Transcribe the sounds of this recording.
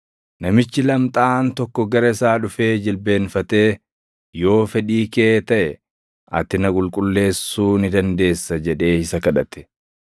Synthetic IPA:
nɐmɪt͡ʃːɪlɐmt̪ʼaːnt̪ɔkːɔɡɐɾɐɪsaːᶑʊfe̞ːd͡ʒɪlbe̞ːnfɐt̪e̞ː | jo̞ːfɛᶑiːke̞ːt̪ɐʔɛ | ɐ̰t̪ɪnɐkʼʊlkʼʊlːe̞ːsuːnɪd̪ɐnd̪e̞ːsːɐd͡ʒɛᶑe̞ːɪsɐkɐᶑɐt̪ɛ̥

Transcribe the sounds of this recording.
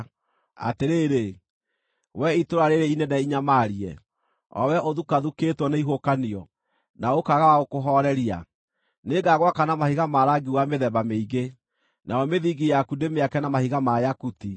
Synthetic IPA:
a̰teɾeːɾe | wɛitoɾaɾeɾeinɛnɛiɲamaːɾiɛ̰ | ɔ̰wɛʔoðukaðuketwɔneiɦokaniɔ | naokaɣawaɣokoɦɔɾɛɾia̰ | neɡaɣwakanamahiɣamaɾaɡiwameðɛβameiɡe | naɔmeðiɡijakudemeakɛnamahiɣamajakuti

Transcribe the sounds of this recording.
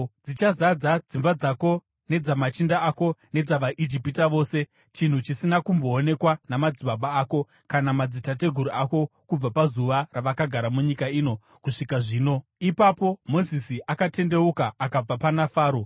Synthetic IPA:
d͡zit͡ʃazad͡zad͡zimbad͡zako̞ | ne̞d͡zamat͡ʃindaako̞ne̞d͡zaʋaʔid͡ʒipitaʋo̞ːse̞ | t͡ʃin̤ut͡ʃisinakumbo̞ːne̞kwanamad͡ziɓaɓaːko̞ | kanamad͡zitate̞ɡʱuɾuako̞kub͡vapazuʋaraʋakaɡʱaɾamuɲikaiːno̞ | kuʂikaʐiːno̞ipapo̞mo̞zisiʔakate̞nde̞ukaːkab͡vapanafaːɾo

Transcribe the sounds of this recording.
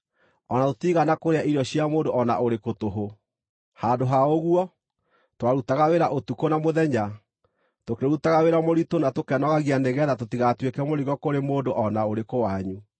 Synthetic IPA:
ɔnatotiɣanakoɾeaiɾɔɕiamoːndoɔna̰ʔoɾekotoɦo | handoɦaoɣuɔ | twaɾutaɣaweɾaʔotukonamoðɛɲa | tokeɾutaɣaweɾamoɾitonatokɛnɔɣaɣianeɣɛðatotiɣatwekɛmoɾiɣɔkoɾemoːndoʔɔnaoɾekowaɲu

